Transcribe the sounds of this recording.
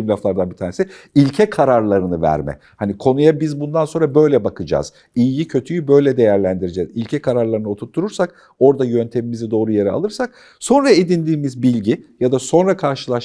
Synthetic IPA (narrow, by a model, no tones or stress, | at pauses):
imlʲaflˠaɾd̪anbit̪ʰaːnesiilʲcʰɛkʰaɾaɾlˠaɾɯnɯvæ̰ɾmɛ̰ | hanikʰo̞nujabizbund̪anso̞nɾabø̞jlʲɛbakʰɯd͡ʒa̰ːz̥ | ijjicʰø̞t̪ʰyjybø̞jlʲɛd̪e̞jæɾlʲænd̪iɾid͡ʒɛːzilʲcʰɛkʰaɾaɾlˠaɾɯnɯot̪ʰuɾt̪ʰːuɾuɾsak | o̞ɾd̪ajø̞nt̪ʰe̞mimizɛd̪o̞ːɾujeɾɛa̰lˠɯɾsak̚ | so̞nɾaed̪ind̪iːmizbilʲɟijad̪aso̞nɾakʰaɾʃɯlˠaʃ